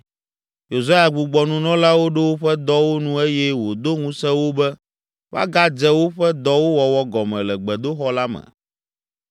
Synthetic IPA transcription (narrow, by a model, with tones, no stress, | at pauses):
jo˨za˦ja˨ɡ͡bu˨ɡ͡bɔ˨nũ˨nɔ̃˦la˦wo˦ɖe˦wo˦ɸɛ˦d̪ɔ˦wo˦nũ˦e˦jɛ˦wo˨d̪o˦ŋũ˦sɛ˦wo˦bɛ˦ | va̰˦ɡa˦d͡ʒɛ˦wo˦ɸɛ˦d̪ɔ˦wo˦wɔ˨wɔ˦ɡɔ˨mɛ̰̃˨lɛ˨ɡ͡bɛ˨d̪o˦xɔ˦la˦mɛ̰̃˨